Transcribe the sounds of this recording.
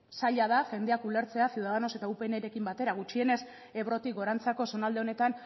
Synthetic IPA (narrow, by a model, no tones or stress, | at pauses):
saʎað̞afe̞nd̪eakule̞ɾt͡se̞asiuwðað̞ano̞se̞t̪aupe̞neɾe̞kimbat̪e̞ɾaɣut͡ʃie̞ne̞s | e̞βɾo̞t̪ikɡo̞ɾant͡sako̞so̞nald̪eone̞t̪an